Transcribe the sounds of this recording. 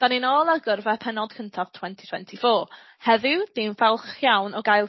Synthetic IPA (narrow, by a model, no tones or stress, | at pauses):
d̥aninɔːlˠaɡʊrvɛpʰɛnɔd̥̚kʰəntʰav̥tʰw̥ɛntʰitʰwɛ̰ntʰifoː | hɛðɪwd̥invɛlˠχjawnɔɡajlˠ